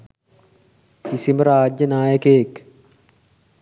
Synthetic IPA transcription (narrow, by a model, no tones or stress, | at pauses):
kisimɾaːd͡ʒːɐnaːjɐkeːk